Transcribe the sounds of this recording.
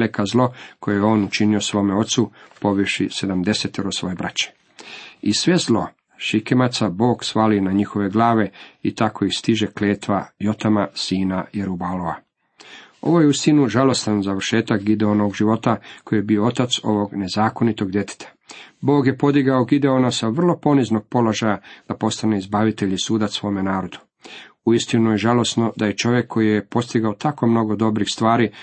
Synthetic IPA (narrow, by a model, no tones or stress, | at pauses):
lekazlˠo̞ko̞jejeo̞ːnut͡ʃiniosʋo̞ːmeo̞t̪supo̞ʋiʃise̞d̪amd̪e̞set̪eɾosʋo̞jebɾa̰t͡ɕe̥ | isʋe̞zlˠo̞ | ʃikemat̪sabo̞ːɡsʋaːlinaɲixo̞ʋe̞ɡlˠaːʋe̞it̪akʰoixst̪iʒekleːt̪ʋajo̞t̪amasiːnajeɾubaloʋa̰ | o̞̰ʋo̞jeust̪inuʒalo̞st̪anzaʋr̩ʃeːt̪akɡid̪eonooɡʒiʋo̞t̪ako̞jijebioo̞t̪at̪so̞̰ʋo̞ɡne̞zaːko̞nit̪o̞ɡd̪je̞t̪ʰe̥t̪ʰḁ | bo̞ːɡje̞po̞d̪iɡaoɡid̪e̞o̞nasaʋr̩lˠo̞po̞nizno̞ɡ̥̚po̞lo̞ʒajad̪̥apo̞st̪aneizbaʋit̪eʎisuːd̪asʋo̞ːme̞naːɾo̞d̪̥u̥ | uist̪inujeʒalo̞sno̞d̪ajet͡ʃo̞ʋjekʰːo̞jijepo̞st̪iɡaot̪ʰako̞mno̞ɡod̪o̞bɾixst̪ʋaːɾi